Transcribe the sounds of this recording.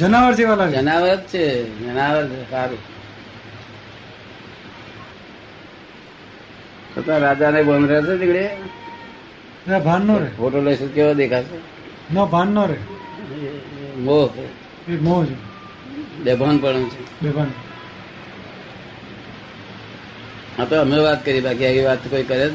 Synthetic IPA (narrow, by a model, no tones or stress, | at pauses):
d͡ʒənaʋəɾd͡ʒeʋalaɡd͡ʒənaʋəɾt̪̚t͡ʃʰed͡ʒənaʋəɾt͡ʃʰesaɾi | sət̪ãɾad͡ʒanebənd̪ɾejat͡ʃed̪ikɽe | ebʱanːoɾepoʈoləsukeʋad̪ekʰase | nɔbʱanːɔɾe | moɦ | emod͡ʒe | bebʱanpəɽ̃õt͡ʃʰebebʱanpə̃ | at̪oəmeʋat̪kəɾibak̬iakiʋat̪ːkoikəɾe